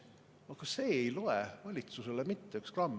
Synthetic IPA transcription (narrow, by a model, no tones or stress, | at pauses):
ɑkɑse̞ːejlo̞evɑlʲit̪suse̞le̞mit̪ːe̞ykskrɑm